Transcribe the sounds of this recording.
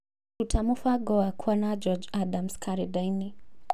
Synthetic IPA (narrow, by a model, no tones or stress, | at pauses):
utʰamufaɡɔakʰwanad͡ʒɔd͡ʒadamskaɾidajni